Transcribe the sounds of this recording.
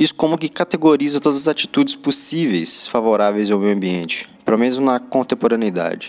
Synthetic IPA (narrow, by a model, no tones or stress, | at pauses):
isʊ̥kõmʊkɪkat̪eɡoɾizɐt̪od̪ɐzɐzat͡ʃi̥t̪ud͡ʒɪsposivejsfavoɾavejzɐ̃wmewɐ̃mbiẽt͡ʃɪ̥pelomẽnʊzmnɐkõnt̪ẽpoɾɐ̃niid̪a̰d͡ʒɪ